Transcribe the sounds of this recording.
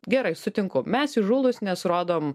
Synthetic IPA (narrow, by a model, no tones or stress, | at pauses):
ɡʲɛɾɐɪsʊt̪ʲɪŋkʊmʲɛsɪʒuːlˠʊsnʲɛsɾoːd̪oːm